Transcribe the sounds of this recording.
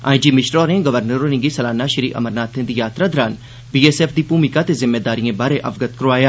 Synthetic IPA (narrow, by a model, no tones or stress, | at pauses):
a̰ːĩd͡ʒiːmɪʃɾɔːɾnẽɡəʋəɾnəɾonɪ̃ɡisɐlaːnaʃɪɾiʔɐ̰məɾnaːt̪ʰːẽd̪ijaːt̪ɾad̪ɐɾaːn | biːeːsɛːfd̪ipuːmikat̪ezɪmːeːd̪aːɾijẽbaːɾeʔɐʋɡət̪kəɾʋaːjaː